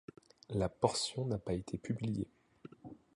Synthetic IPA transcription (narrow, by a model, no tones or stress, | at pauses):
lapɔʁsjɔ̃napaet̪ʰepyblijḛ